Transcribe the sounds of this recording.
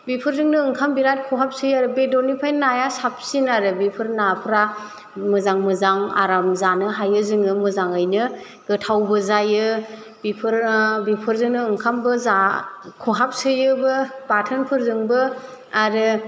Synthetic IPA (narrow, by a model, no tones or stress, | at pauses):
bipʰɯɾzɯŋnɯːŋkʰambiɾat̚kʰɔɦap̚sɯjaɾɯbedonipʰajnajasap̚sinaɾɯbipʰɯɾnapʰɾa | mɯzaŋmɯzaŋa̰ɾamzanɯɦajɯzɯŋɯmɯzaŋɯjnɯ | ɡɯtʰawbɯzajɯ | bipʰɯɾbipʰɯɾzɯŋnɯɯŋkʰambɯzakʰuɦap̚sɯjɯbɯbatʰɯnpʰɯɾzɯŋbɯ | aɾɯ